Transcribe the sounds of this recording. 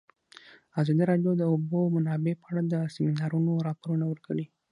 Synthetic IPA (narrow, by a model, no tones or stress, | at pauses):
azɑd̪iɾɑɖjod̪əobomanɑbepəaɽad̪əsɪminɑɾunoɾɑpoɾunawəɾkəɽi